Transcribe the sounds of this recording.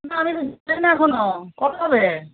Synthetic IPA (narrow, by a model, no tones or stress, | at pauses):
naamit̪od͡ʑlenaɛkʰonokɔt̪oɦɔbe